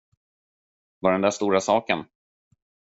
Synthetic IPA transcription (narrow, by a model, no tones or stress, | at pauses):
vaɖɛnd̪æʂt̪uːɾasɑːkən